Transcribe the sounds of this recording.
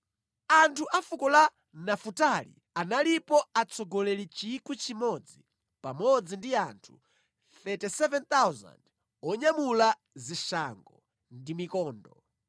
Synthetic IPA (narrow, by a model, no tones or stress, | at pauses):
antʰuʔafukɔla | nafutalḭ | analipɔat͡sʰɔɡɔlɛlit͡ʃikut͡ʃimɔd͡zi | pamɔd͡zindiantʰu̥ | θɛtisɛvɛnt̪awza̰nd | ɔɲamula | ziʃaŋɡɔ | ndimikɔːndɔ